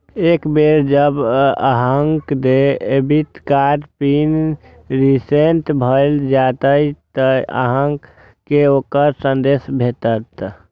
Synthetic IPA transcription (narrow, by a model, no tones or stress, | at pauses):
ekbeɾd͡ʒəba̰ɦəŋkd̪eebit̪kaɾpin | ɾisenʈ̪bʱəɪld͡ʒat̪əjt̪əa̰ɦəŋkː | eokəɾsənd̪eːsbʱet̪ət̪